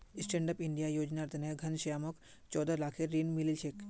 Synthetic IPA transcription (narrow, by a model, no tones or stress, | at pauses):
sʈẽːɳɖəpiɳɖijajoːd͡ʒnaɾt̪əneɡʱɐnʃɐjamɔk | t͡ʃɔːd̪alaːkʰeːiːnmililʃek